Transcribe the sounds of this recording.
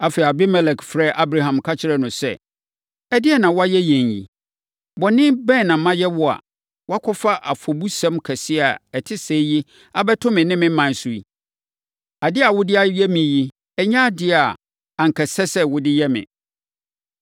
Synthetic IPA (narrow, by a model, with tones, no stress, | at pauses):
a˨fɛ˨a˨bɪ˦mɛ˦lɛ˨kfɾɛ˦˨ʔa˦bɾa˨ɦã˨mkʰa˦t͡ɕʰɪ˨˦ɾɛ˦nʊ̃˨sɛ̰˦˨ | ɛ˦dɪ˦ɛ˦nã˨wɔ˦a˦jɛ˦jɛ̃˨njḭ˨ | bɔ˨nɪ̃˦bɛ̃˦˨nã˨˦mã˦jɛ˦wʊ˦a̰˨ | wɔ˦a˦kʰɔ˦fa˦ʔa˨fɔ˨bu˦sɛ̃˦mkʰɛ˨sɪ˦a˨ɛ˨tʰɪ˦sɛː˨˦ji˦ | a˦bɛ˦tʰʊ̃˦mɪ̃˨nɪ̃˦mɪ̃˦m̩˦mã˨n̩˨su˨i˨ | a˨dɪ˦a˨wʊ˦dɪ˦a˦jɛ˦mɪ̃˨ji˦ | ɛ˦˨ɲã˦dɪ˦a˨ | a˨ŋ̩˨kʰɛ˨sɛ˦sɛ˦wʊ˦dɪ˦jɛ˦mɪ̰̃˨